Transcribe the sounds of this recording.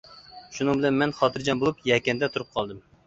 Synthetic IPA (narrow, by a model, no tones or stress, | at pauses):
ʃunɨŋbɪlɛnmɛnχɑt̪ʰɨɾd͡ʒɑnbolˠupjɛkʲɛnd̪ɛt̪ʰuɾɨp̚qʰɑlˠd̪ɨm